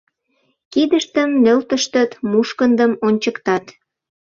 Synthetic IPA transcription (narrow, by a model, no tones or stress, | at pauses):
kid̪əʃt̪əmːølt̪əʃt̪ət̪muʃkənd̪əmonʲt͡ɕəkt̪ɑt̪